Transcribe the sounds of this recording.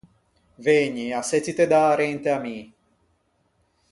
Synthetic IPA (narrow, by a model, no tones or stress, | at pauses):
veɲiaset͡sːit̪ed̪aɾent̪eami